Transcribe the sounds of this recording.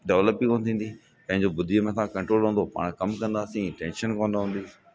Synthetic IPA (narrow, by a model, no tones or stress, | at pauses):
ɖɛʋləpːikoːñt̪ʰĩːnd̪i | pɐ̃ɦɪ̃ɲd͡ʑobʊd̪ʱiəmẽsãkɐ̃ɳʈɾoːlɦũːnd̪opa̰ːɽ̃kɐmkɐ̃nd̪aːsĩʈɛ̃ːnʃənkõːnd̪aɦũːn̆d̪i